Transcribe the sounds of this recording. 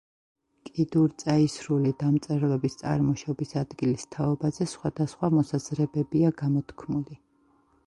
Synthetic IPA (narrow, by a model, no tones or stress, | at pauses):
kʼid̪uɾt̪sʼaisɾulid̪amt̪sʼɛɾlɛbist̪sʼa̰ɾmɔʃɔbisad̪ɡilist̪ʰaɔbazɛsχwad̪asχwamɔsaz̥ɾɛbɛbiaɡamɔt̪ʰkʰmuli